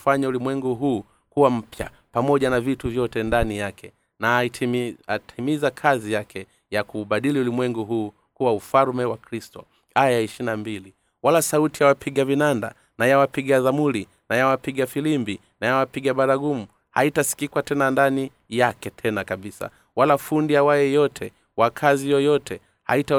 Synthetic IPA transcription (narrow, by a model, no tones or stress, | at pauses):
faɲaulimwɛŋɡuɦuː | kuwam̩pja̰ | pamɔʄanavituvjɔtɛndanijakɛ | na | atʰimizakʰazijakʰɛ | jakuɓaɗiliulimwɛŋɡuɦuː | kuwaufaɾmɛwakɾistɔ̰ | ajaiʃinambili | walasautijawapʰiɠavinanda̰ | najawapiɠaðamuli | najawapiɠafilimbi | najawapiɠaɓaɾaɡumu | haitasi̥kikwatɛnandani | jakɛtʰɛnakaɓisa̰ | walafundijawajɛjɔtʰɛ | wakʰazijɔjɔtʰɛ | ha̰ita